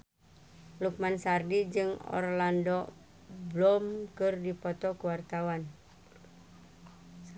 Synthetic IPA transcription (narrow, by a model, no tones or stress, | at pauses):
luk̚mansardid͡ʒɨŋɔ̰rlandɔ | blɔmkɨrdipɔt̪ɔkuwart̪awan